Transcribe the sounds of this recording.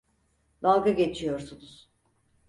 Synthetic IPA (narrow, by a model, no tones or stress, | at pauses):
d̪alˠɡaɟe̞t͡ʃʰijo̞ɾsunuz̥